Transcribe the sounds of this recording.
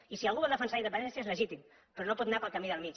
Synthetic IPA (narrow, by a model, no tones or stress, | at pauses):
isialˠɣuβolˠd̪əfənsaiðəpənɛnsiezləʒit̪im | pəɾonopɔt̪napəlˠkamiðəlˠmit͡ʃ